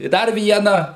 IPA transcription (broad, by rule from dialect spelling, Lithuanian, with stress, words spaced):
ɪ ˈdɐr ˈʋʲiɛnɑː